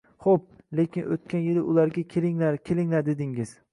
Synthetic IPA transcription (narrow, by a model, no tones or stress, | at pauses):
χop̚le̞kʲɪnʔot̪̚kʲʰanjɪlɪʔʊlaɾɡʲakʲʰelɪŋlaɾkʲʰelɪŋlaɾd̪ed̪ɪŋɪz̥